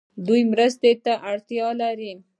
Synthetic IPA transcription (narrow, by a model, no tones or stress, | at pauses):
d̪ujmɾəst̪et̪aʔaɽt̪jɑlaɾi